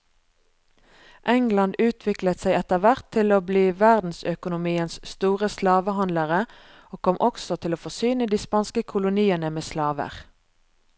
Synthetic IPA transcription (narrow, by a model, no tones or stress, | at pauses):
ʔɛŋlɑnd̪ʉːt̪ʰʋɪklət̪sæɪɛt̪əʁʋæʁt̪ʰːɪloːbliːʋæʁd̪n̩sœkʊnʊmiːənsst̪uːʁəslɑːʋəhɑnləʁə | oːkʰɔmʔɔksɔt̪ʰɪloːfɔsyːnəd̪iːspɑːnskəkʰʊlʊniːənəmeːslɑːʋə̰ʁ